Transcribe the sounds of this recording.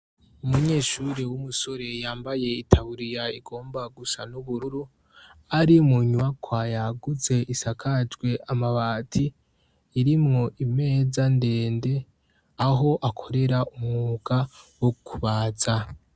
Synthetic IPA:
umuɲe̞ːʃuɾiwumuso̞ɾe̞jaːmbaje̞itʰaβuɾijaiɡo̞ːmbaɡusanuβuɾuɾu | aɾimuɲuakʰwajaɡuze̞ʔisakʰad͡ʒɡwe̞ʔamaβaːtʰiː | ɾimŋo̞ʔime̞ːzande̞ːnde̞ | aɦo̞ʔakʰo̞ɾe̞ɾaumŋuːɡawokʰuβaːza

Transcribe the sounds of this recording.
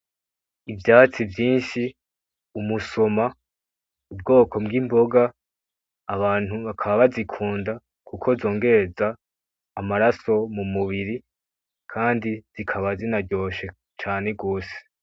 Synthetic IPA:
ivjaːt͡sivjiːnʃi | umuso̞ma | ub̚ɡo̞ːko̞bɡimbo̞ɡaː | βaːn̥huβakʰaβaβazikʰuːnda | kʰukʰo̞zo̞ːŋɡe̞ɾe̞zaː | maɾaso̞mumuβiɾi | kʰaːndiz̥ikʰaβazinaɾɟo̞ːʃe̞ | t͡ʃaːne̞ɡo̞ːse̥

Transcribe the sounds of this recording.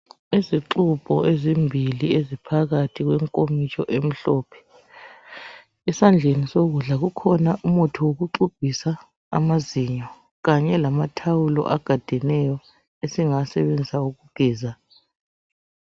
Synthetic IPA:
iziǁub̥ʱɔʔezimbʱiliezipʰaɣatʰiɣwɛŋkʼomit͡ʃʰʼɔʔem̩ɬɔːpʰɛ̥ | ɛsand͡ɮʱenisoɣuɮaɣukʰɔnaʔumɔtʰɔwoɣuǃub̥ʱisa | a̰maziɲɔ | ɣaɲɛlamatʰawulɔ̰ʔaɡ̥ʱad̥ʱɛnɛjɔ | esiŋasɛβend͡zʱisauɣuɡ̥ʱɛːza

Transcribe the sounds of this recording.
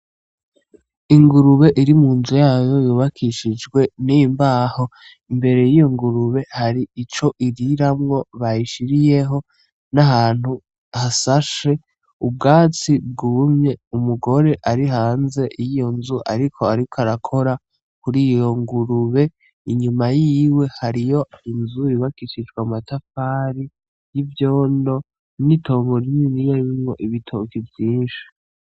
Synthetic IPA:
iŋɡuɾuβe̞ʔiɾimuːnzujaːjo̞juːβakʰiʃid͡ʒɡwe̞nimbaːho̞ | imbe̞ɾe̞jijo̞ŋɡuɾuβe̞haɾiit͡ʃo̞ʔiɾiɾamŋo̞βajiʃiɾije̞ɦo̞ | naɦaːn̥hu | hasaʃe̞ | ub̚ɡaːt͡sib̚ɡuːmɲe̞umuɡo̞ɾeʔaɾiɦaːnze̞ʔijijo̞nzuʔa̰ɾikʰoaɾikʰoaɾakʰo̞ɾa | kuɾijo̞ŋɡuɾuβe̞ | iɲumajiwe̞haɾijo̞inzujiβakiʃit͡ʃɡwamatafaːɾi | jivjoːndo̞ | nitʰo̞ːŋɡo̞ɾiminijaiβimŋo̞ʔiβitʰokivjiːnʃi̥

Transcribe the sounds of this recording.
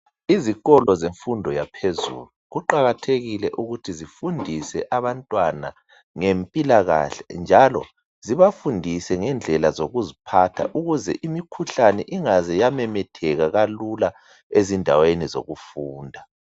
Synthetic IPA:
iziɣɔlɔzeɱfundʱɔjapʰezṵːluɣuǃaɣatʰeɣilɛʔuɣutʰizifundʱisɛʔaβantʼwana̰ | ŋempʼilaɣa̰ɬɛnd͡ʒʱalɔ̰ | ziβafundʱisɛŋɛnd͡ɮʱɛlazoɣuzipʰatʰa̰ʔuɣuzɛ̰ʔimikʰuɬanɛʔiŋazɛjamɛmɛtʰɛɣaɣalula | ezindʱa̰wenizo̰ɣufuːndʱa

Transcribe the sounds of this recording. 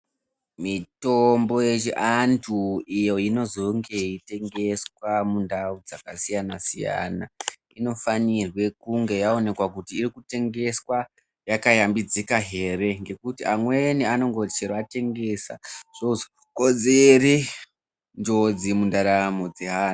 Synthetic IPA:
mitombo̞jet͡ʃiʔantʰuijo̞ino̞zo̞ŋɡe̞ite̞ŋɡe̞swamundaud͡zakasijanasija̰na | ino̞fanirwe̞kuŋɡe̞jaone̞kwakutiːrikute̞ŋɡe̞swa | jakajambid͡zikaɦe̞re̞ŋɡe̞kutiʔamwe̞niano̞ŋɡo̞t͡ʃirwate̞ŋɡe̞sa̰ʐ̥ozo | kod͡zeri | nd͡ʒo̞d͡zimundaɾamo̞d͡zeɦan

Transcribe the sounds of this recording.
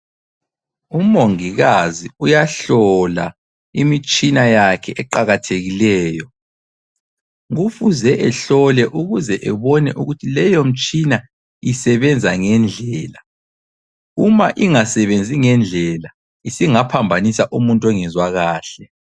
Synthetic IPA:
umoŋiɣaziujaɬɔla̰ | imit͡ʃʼinajakʰɛʔɛǃaɣatʰeɣilɛːjɔ | ŋufuzɛʔɛɬɔlɛʔuɣuzɛʔɛβɔnɛʔuɣutʰilɛjom̩t͡ʃʼina | isɛβɛnd͡zʱaŋɛnd͡ɮʱɛːla | umaʔiŋasɛβend͡zʱiŋɛnd͡ɮʱɛla | isiŋapʰambʱanisaʔumuntʼɔŋɛzwaɣaːɬɛ

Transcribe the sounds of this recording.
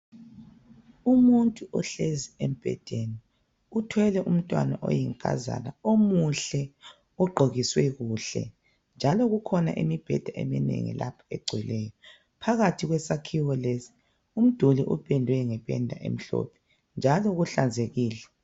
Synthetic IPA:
umuntʼuʔɔɬeziem̩b̥ʱɛ̰d̥ʱeni | utʰwɛlɛʔum̩tʼwa̰naʔo̰jiŋkʼa̰za̰naomuɬɛ | uɡ͡ǃʱoɣiswɛɣuːɬɛ̰ | nd͡ʒʱalɔɣukʰɔna̰ʔimib̥ʱɛ̰d̥ʱaʔḛminḛŋḭla̰pʰḁɛɡ͡ǀʱwɛlɛjɔ | pʰaɣatʰiɣwɛsakʰiwɔlezi̥ | um̩d̥ʱuliʔupʰʼɛndʱwɛŋɛpʰʼɛ̰ndʱa̰ʔḛm̩ɬɔ̰pʰɛ̥ | nd͡ʒʱalɔɣuɬand͡zʱeɣiːlɛ

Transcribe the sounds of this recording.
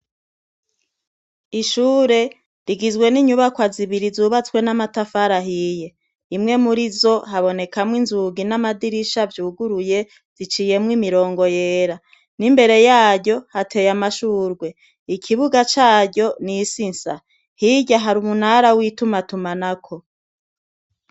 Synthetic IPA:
iʃuːɾe̞ | ɾiɡizɡwe̞niɲuβakwaziβiɾizuβat͡swe̞namatafaɾaɦiːje̞ | imŋe̞muɾizo̞ɦaβo̞ne̞kamŋinzuɡinamadiɾiʃavjuːɡuɾuje̞ | z̥it͡ʃiːje̞mŋwimiɾo̞ːŋɡo̞je̞ːɾa | nimbe̞ɾe̞jaːɟɟo̞hatʰe̞jamaʃuːɾɡwe̞ | ikʰiβuɡat͡ʃaːɾɟo̞nisinsa | hiɟaɦaɾumun̥haɾawiːtumatumanakʰo̞

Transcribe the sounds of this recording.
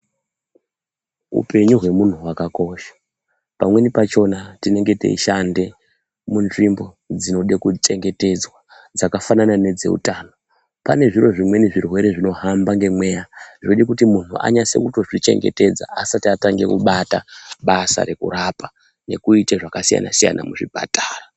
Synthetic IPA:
ṵpe̞ɲuɦwe̞mun̤uwakako̞ʃḁ | pamwe̞nipat͡ʃo̞natine̞ŋɡe̞tḛiʃande̞ | munʐimbo̞ | d͡zino̞ɗekut͡ʃe̞ŋɡe̞te̞d͡zwa | d͡zakafananane̞d͡ze̞̰ṵtaːno̞ | pane̞ʐiro̞ʐimwe̞niʐirwe̞ɾe̞ʐino̞ɦambaŋɡe̞mwe̞ːjaʐoɗekutimun̤ua̰ɲase̞̰kuto̞ʐit͡ʃe̞̰ŋɡe̞̰te̞d͡za̰asatiataŋɡe̞̰kṵɓata̰ɓasa̰ɾe̞kṵɾapa | ne̞̰kuiteʐakasija̰na̰sija̰na̰muʐipa̰taːra

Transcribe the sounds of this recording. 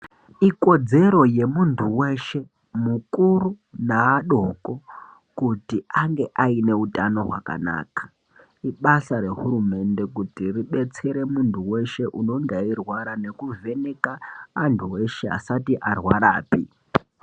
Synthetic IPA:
iko̞d͡ze̞ɾo̞je̞muntʰuwe̞ʃe̞ | mukuɾu | naaɗo̞ko̞ | kutiaŋɡe̞ʔaine̞utano̞ɦwa̰ka̰na̰ːkḁ | iɓasaɾe̞ɦuɾume̞nde̞kutiriɓe̞t͡se̞ɾe̞muntuwe̞ʃeʔuno̞ŋɡairwaɾane̞kuve̞nekaːntʰuwe̞ʃe̞a̰satiʔarwaɾaːpḭ

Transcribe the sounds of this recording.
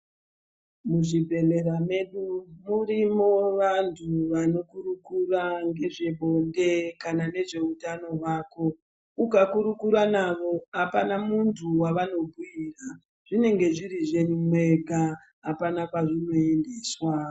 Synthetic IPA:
muʐibʱe̞le̞rame̞ɗumurimo̞ʋantʰuʋano̞kurukuraŋɡe̞ʐe̞ɓʱo̞nde̞kanane̞ʐe̞utano̞ɦwaːko̞ | ukakuɾukuɾanaʋo̞ɦapanamuntʰuwaʋano̞bʱuira | ʐ̥ine̞ŋɡe̞ʐiɾiʐe̞ɲmwe̞ɡʱa | ɦapanakaʐino̞e̞ndeːswa

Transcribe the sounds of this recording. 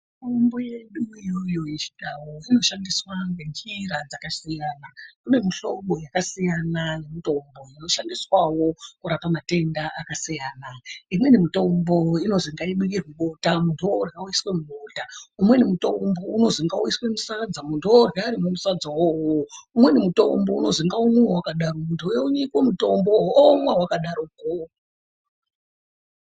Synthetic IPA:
tombo̞je̞ɗuijo̞jo̞jet͡ʃi̥tawoino̞ʃandiswaŋɡe̞nd͡ʒiɾad͡zakasijaːnakune̞miɬo̞ɓo̞jakasijanane̞mito̞mbo̞ino̞ʃandiswawo̞kuɾapamate̞ndaʔakasijaːnaimwe̞nimito̞mbo̞ino̞ziŋɡaiɓukirwiɓotamuntʰuourɡauiswemumoːtaumwe̞nimuto̞mbo̞uno̞ziŋɡauiswemusad͡zamuntʰuorɡaɾimemusad͡zawowoumwe̞nimuto̞̰mbo̞uno̞ziŋɡaumweowakaɗaromuntʰujeuɲikwemuto̞mboomwawakaɗaɾoko

